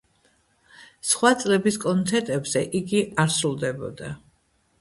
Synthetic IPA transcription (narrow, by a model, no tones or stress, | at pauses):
sχwat̪sʼlɛbiskʼɔnt̪ʰɛɾt̪ʼɛbz̥ɛʔiɡiaɾsɾulˠd̪ɛbɔ̰d̪a